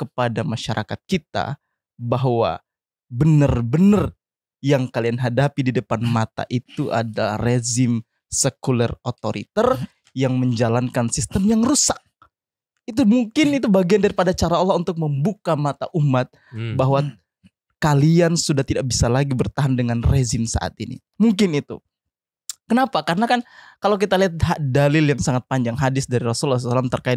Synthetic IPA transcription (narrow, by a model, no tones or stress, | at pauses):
kəpadamaʃaɾʔa̰kat̪̚kit̪a̰ | baɦwa̰ | bənərbənər | jaŋkalianɦadapididəpanmat̪a̰ʔit̪uʔa̰dala̰rezɪm | səkulɛrot̪oɾḭt̪ɛr | jaŋməɲd͡ʒalankansist̪əmjaŋrusak̚ | it̪umuŋkɪnit̪ubaɡiandaɾipadat͡ʃaɾaɔlːɔunt̪ʊk̚məmbukamat̪aʔumat̪̚ | baɦwa | kaliansudaht̪idaʔ̚bisalaɡibərt̪aɦandəŋanrezɪmsa̰ʔa̰t̪inḭ | muŋkɪnit̪ṵ | kənapakaɾənakankalawk̬it̪aliɦat̪̚ɦaʔdalɪljaŋsaŋat̪̚paɲd͡ʒaŋɦadɪsdaɾiɾɔsulːas̬salamt̪ərkaɪ